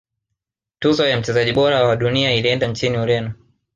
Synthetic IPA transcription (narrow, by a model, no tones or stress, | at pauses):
tuzɔjam̩t͡ʃɛzaʄiɓɔɾawaɗuniailiɛndaɲt͡ʃiniuɾɛnɔ